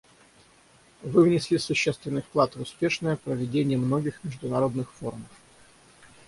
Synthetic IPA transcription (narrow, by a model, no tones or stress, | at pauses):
vɨvnʲɪsʲlʲisʊɕːe̞st̪vʲɪnːɨjfklˠat̪vʊspʲe̞ʂnəjəpɾəvʲɪdʲenʲɪjəmno̞ɡʲɪxmʲɪʐd̪ʊnɐɾo̞d̪nɨxfo̞rməf